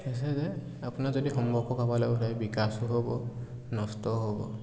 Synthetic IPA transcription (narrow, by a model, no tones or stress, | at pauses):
ɛs̬ɛzɛ | apunazodixɔmbɔkʰɔkabalabɔɦajbikasuɦobɔ | nɔstɔɦobɔ̰